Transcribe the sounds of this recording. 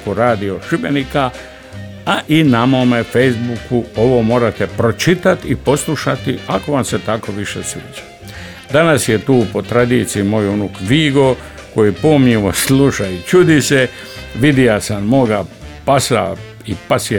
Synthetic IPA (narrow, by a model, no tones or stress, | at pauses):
koɾaːd̪io̞ʃibenika | aʔinamomefejzbukuo̞ʋo̞mo̞ːɾat̪e̞pɾo̞t͡ʃit̪at̪ipo̞slˠuʃat̪iako̞ʋamse̞t̪ako̞ʋiʃesʋḭːt͡ʃḁ | d̪anasje̞t̪uːpo̞t̪ɾad̪iːt̪sijimo̞junukʋiːɡo̞ | ko̞jipomɲiʋo̞slˠuʃait͡ʃud̪ise | ʋid̪ijasamːoɡapasa̰ | ipasj